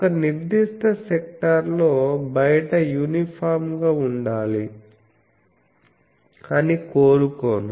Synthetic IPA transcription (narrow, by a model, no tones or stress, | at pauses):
ɔkɐniɾd̪iʂt̪ʰɐsɛk̚ʈɐɾlo̞ːbɐjɐʈɐjuːnipʰaːɾmɡaːuɳɖaːli | ɐnikoːɾukoːnu